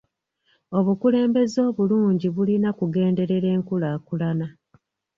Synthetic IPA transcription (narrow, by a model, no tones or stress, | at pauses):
o̞βukule̞ːmbe̞zo̞ːβuluːɲɟiβulinakuɡe̞ːnde̞ɾe̞ɾe̞ːŋkulaːkulana